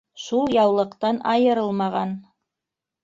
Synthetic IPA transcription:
ʃulˠjɑwlˠɤ̆qt̪ɑnɑjɤ̆ɾɤlˠmɑʁɑn

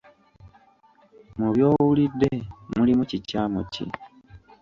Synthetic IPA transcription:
muβjo̞ːwulidːemulimucicaːmocḭ

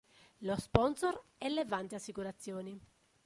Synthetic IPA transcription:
lospɔnsorelevant̪iasːikuɾat̪sːjoːni

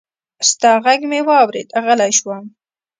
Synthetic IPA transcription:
st̪ɑɣaɡmewɑwɾḛd̪aɣəlajʃwam

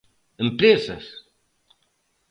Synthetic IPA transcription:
əmpɾesɐs

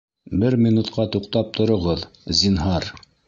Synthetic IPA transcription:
bɘɾmʲinut̪qɑt̪uqt̪ɑp̚t̪ʰŏɾŏʁɤðzinɦɑɾ

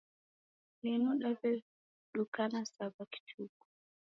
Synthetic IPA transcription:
ninuɗavɛ | ɗukanasabaki̥t͡ʃʰuku̥

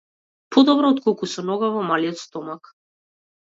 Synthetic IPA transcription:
pʰɔd̪ɔbɾɔːt̪kɔlˠkusɔnɔɡavɔmaliɔt̪st̪ɔmak

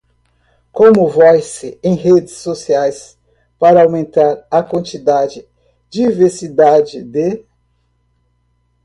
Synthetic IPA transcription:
kõmʊvɔjsɪẽj̃ɦed͡ʒɪsːosiajs | paɾɐawmẽnt̪aɾɐkwɐ̃nt͡ʃid̪ad͡ʒɪ | d͡ʒiveɾsid̪ad͡ʒɪd̪e

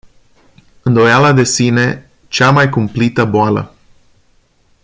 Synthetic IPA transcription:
ɨnd̪o̞jalad̪e̞sine̞ | t͡ʃamajkumplit̪əboalə̰

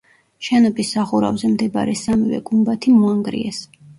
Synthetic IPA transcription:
ʃɛnɔbisːaχuɾa̰vzɛmd̪ɛba̰ɾɛsamivɛ̰ɡumbat̪ʰimuaŋɡɾḭɛs

